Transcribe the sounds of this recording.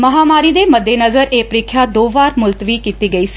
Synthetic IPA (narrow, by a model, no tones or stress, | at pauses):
məɦaːmaːɾiːd̪eːməd̪ʱːeːnəzəɾeːpəɾɪːkʰːjaːd̪oːʋaːɾmʊlt̪ʋiːkiːt̪iːɡəiːsi̥